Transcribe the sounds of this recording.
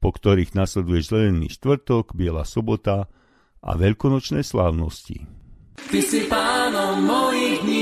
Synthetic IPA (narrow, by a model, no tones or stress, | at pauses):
pɔkt̪ɔɾiːɣnaslɛd̪ujɛʒzɛʎɛnːḭːʃt̪ʋr̩t̪ɔɡbɪɛla̰ːsɔbɔt̪a | ʔa̰ʋɛʎkɔnɔt͡ʃnɛjslaːʊnɔscḭt̪isipaːnɔmːɔjiːɣd̪ɲi